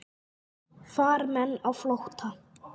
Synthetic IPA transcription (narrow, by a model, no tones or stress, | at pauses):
faːɾmɛnːawflowht̪ʰa